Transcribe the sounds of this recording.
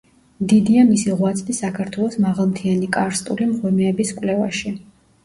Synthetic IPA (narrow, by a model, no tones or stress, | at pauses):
md̪id̪iamisiʁwat̪sʰʼd̪isakʰaɾt̪ʰwɛlˠɔsmaʁalˠmt̪ʰianikʼaɾst̪ʼulimʁwɛmɛːbiskʼwlɛvaʃi